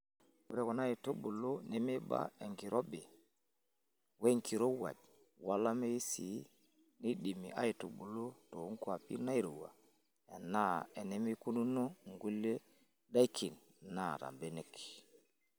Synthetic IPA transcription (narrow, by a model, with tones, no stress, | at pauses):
wṵ˦ɾe˦ko˨na˦ji˨to˦bu˨lo˦ne˦me˦ba̰˦e˨ŋki˨ɾʔo˦be˨ | we˦ŋki˨ɾo˦wa̰˨ɟ̚ | wa˦la˦me˦i˦si˨ | ni˦di˨mḭ˨ʔa̰˦ji˨to˨bu˨lo˦to˨˦ŋ˦ku˦a˨pḭ˦ɾna˦i˦ɾo˨wa̰˨ | e˨nːa˦e˨ne˦mi˦ku˦nu˦no˦ŋɡu˦le˦ | da˦i˦kʰi˨n | nːa˨ta̰˨mbe˦ne˦˨k